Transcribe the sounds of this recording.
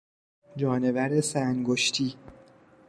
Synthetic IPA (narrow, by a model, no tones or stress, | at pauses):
d͡ʒɒːne̞væɾe̞sæŋɡoʃt̪ʰiː